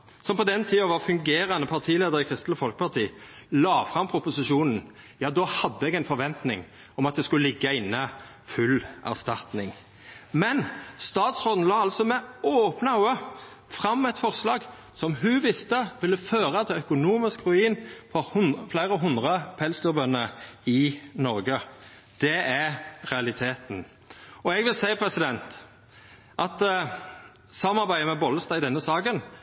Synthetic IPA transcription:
sɔmpɔd̪ɛnt̪ʰiːɑʋɑfʉŋɡeːɾɑnəpʰɑʁt̪ʰiːleːd̪əɾɪkʰʁɪst̪l̩əfɔlkə̥pɑt̪iːlɑːfʁɑmpʰɾʊpʊsɪʂuːnn̩ | jɑːd̪oːhɑd̪ːəɛɡɛɪnfɔɾʋɛnt̪nɪ̰ŋ | ɔmɑt̪̚d̪ɛskʉləlɪɡːəɪnːə | fʉlæ̰ʁst̪ɑt̪nɪŋ | mɛnst̪ɑːt̪sʁoːd̪n̩lɑːɑlsɔmɛoːpnəʉə | fʁɑmːɛt̪fɔʁslɑːɡ | sɔmɦʉʋɪst̪əʋɪlːəføːʁɑt̪ʰɪlœkʊnuːmɪskʁʉiːnfʰɔhʊflæɪʁəɦʊnd̪ʁəpʰɛlslɔbœnːəɪnɔɾɡə | d̪̥ɛʔæʁʁɛɑlɪt̪ʰeːt̪n̩ | ɔɛɡʋɪlsæɪpʰɾɛsɪd̪ɛnt̪ | ʔɑt̪ | sɑmːɑʁbæɪəmɛbɔləst̪ɑɪd̪ɛnːəsɑːkən

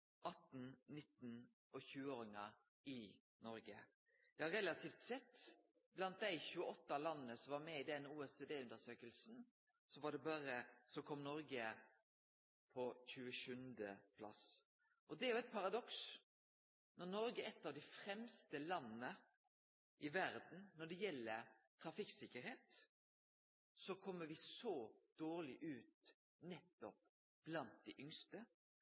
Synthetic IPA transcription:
ʔɑt̪ːn̩nɪt̪ːn | ɔçʉːəoːɾɪŋɑ | ɪ | nɔɾɡə̰ | jæɪhɑɾɛlɑt̪ʰiːft̪sɛt̪ː | blɑnt̪̚d̪æɪçʉːəɔt̪ːɑlɑnːənəsɔʋɑɾmɛɪd̪ɛnuːɛseːd̪eːʉnd̪əsøːkəlsn̩ | sɔʋɑɖ̪ɛbɑɾəsɔkʰɔmnɔɾɡə | pʰɔçʉːəʃʉnd̪əpʰlɑ̰s | ʔɔd̪ɛæɾjʊɛt̪̚pʰɑɾɑd̪ɔks | nɔɾnɔɾɡəɛt̪ːɑʋd̪æɪfɾɛmst̪əlɑnːə | ʔɪʋæɾd̪n̩nɔɖɛjɛlːəɾt̪ʰɾɑfɪksɪkːəɾheːt̪ | sɔkʰɔmːəɾʋɪsɔd̪̥oːɾlɪʔʉːt̪ | nɛt̪ːɔp | b̥lɑnt̪̚d̪ɛʔʏŋst̪ə

